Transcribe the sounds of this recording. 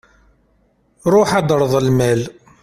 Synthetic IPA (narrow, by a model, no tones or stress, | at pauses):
ɾˤoħɑd̪ɾˤðˤəlmæl